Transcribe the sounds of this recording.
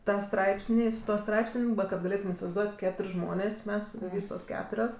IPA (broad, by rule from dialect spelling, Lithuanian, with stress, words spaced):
ˈtɑː ˈstrɐɪpʲsʲnʲiː sʊ ˈtuɔ ˈstrɐɪpsənʲ kɐt ɡɐˈlʲeːtʊm ɪsʲɪʋɐɪzˈduɔtʲ ˈkʲæːtʊrʲ ˈʒmoːnʲeːs ˈmʲɛs ˈʋʲiːsoːs ˈkʲæːtʊrʲoːs